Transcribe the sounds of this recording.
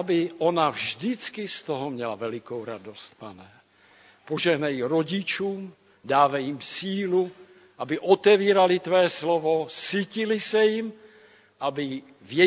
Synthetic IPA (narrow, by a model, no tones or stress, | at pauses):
abiʔonavʒd̪it͡skist̪ɔɦɔmɲɛlavɛlikowɾad̪ost̪̚panɛ | poʒɛɦnajiɾoɟit͡ʃuːm | d̪aːvɛjimsiːlu | abiʔɔt̪ɛviːɾalit̪vɛːslɔvɔsiːcilisɛjim | ʔabi | vjɛ